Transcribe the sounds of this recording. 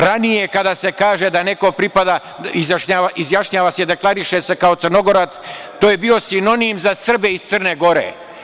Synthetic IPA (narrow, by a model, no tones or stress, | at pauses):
ɾanije̞kad̪ase̞kaːʒe̞d̪ane̞ko̞pɾipad̪a | izjaʃɲaaʔizjaʃɲaːʋaːseid̪e̞klˠaɾiʃe̞se̞kao̞t̪sɨrno̞ɡo̞ɾat̪s | t̪oːjebio̞sino̞nimzasr̩beist̪sərneɡo̞ɾḛ